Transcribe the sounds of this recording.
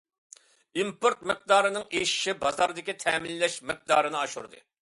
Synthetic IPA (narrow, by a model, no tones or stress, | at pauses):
impoɾt̪̚mɪq̚d̪ɑːɾɨnɨŋeʃi̥ʃibɑzɑɾd̪ɪkʲit̪ʰɛːmilːɛʃmɪq̚d̪ɑːɾɨnɨɑʃṵɾd̪ɨ̰